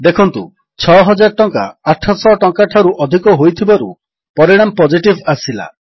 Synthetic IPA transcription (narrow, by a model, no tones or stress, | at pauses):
d̪ekʰɔnt̪ṵ | t͡ʃʰɔɦɔd͡ʒaɾʈɔŋka̰ːʈʰɔsɔʈɔŋkaʈʰaɾuʔɔd̪ʱikɔɦojt̪ʰibaɾṵ | pɔɾiɽ̃ampɔd͡ʒiʈibasila̰